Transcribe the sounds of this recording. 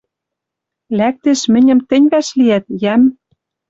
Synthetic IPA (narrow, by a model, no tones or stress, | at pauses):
læk̚t̪eʃmɘ̆nʲɘ̆mt̪ɘ̆nʲβæʃliæt̪̚jæm